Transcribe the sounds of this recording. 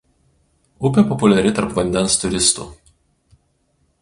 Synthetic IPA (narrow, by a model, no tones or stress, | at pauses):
ʊpʲɛpɔpʊlʲɛɾʲɪt̪ɐɾpʋɐnʲd̪ʲɛnst̪ʊɾʲɪst̪ṵːˑ